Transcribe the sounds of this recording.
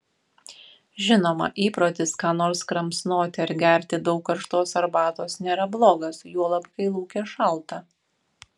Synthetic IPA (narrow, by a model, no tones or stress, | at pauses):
ʒʲɪnoːmɐ̰ʔiːpɾoːt̪ʲɪskɑːnoːɾskɾɐmsnoːt̪ʲɪɐɾɡʲɛˑɾʲt̪ʲɪd̪ɒʊkːɐɾʃt̪oːsɐɾbɑːt̪oːsnʲeːɾɐblˠoːɡɐsjuɔlˠɐpkɐɪlˠuːkʲeːʃɐlˠt̪ɐ